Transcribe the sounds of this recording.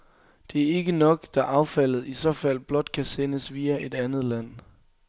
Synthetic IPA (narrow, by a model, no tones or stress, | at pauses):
d̥e̝æɐe̝ɡ̥ənɒ̽ɡ̥d̥ɑ̈ʔɑ̈ʊfæl̰ð̩ˠisɒ̽fæl̰b̥lɒ̽d̥̚kʰæsenəsʋiːæʔe̝d̥ænð̞̩ˠlæn̰